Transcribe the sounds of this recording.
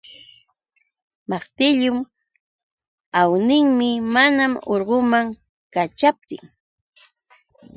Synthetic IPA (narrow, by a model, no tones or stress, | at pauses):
mɑχt̪ɪʎʊm | awnɪŋmɪmanamoɾɢʊmaŋ | kat͡ʃap̚t̪ɪŋ